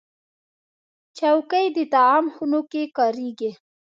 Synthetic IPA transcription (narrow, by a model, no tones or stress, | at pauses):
t͡ʃawkəjd̪ət̪aɑmxunokekɑɾiɡi